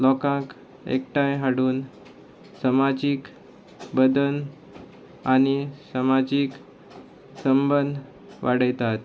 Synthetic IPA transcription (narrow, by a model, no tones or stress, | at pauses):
lɔkãk | ḛkʈãjɦaɽuːn | səmad͡ʑiːk | bəd̪ən | añisəmad͡ʑiːk | səmbənd̪ʱ | ʋaɽəjt̪at̪